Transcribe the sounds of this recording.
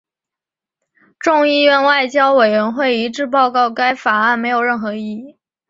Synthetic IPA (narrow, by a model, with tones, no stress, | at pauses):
ʈ͡ʂʊ˥˧ŋi˥˧ɥɛ˥˧nwa˥˩ɪt͡ɕjɑ˥ʊwe˨˩ɪɥɛ˧˥nxwe˥˩ɪi˧˥ʈ͡ʂɻ̩˥˧p̬ɑ˥˧ʊkɑ˥˩ʊka˥ɪfa˨˩a˥˩nme˧˥ɪjo˨˩ʊɻə˥˩nxɤ˧˥i˥˩i˥˩